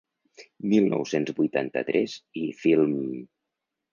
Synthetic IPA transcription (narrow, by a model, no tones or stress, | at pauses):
milˠnʔɔ̰wsenzbujt̪a̰nt̪ə̰t̪ɾʔɛzifilˠm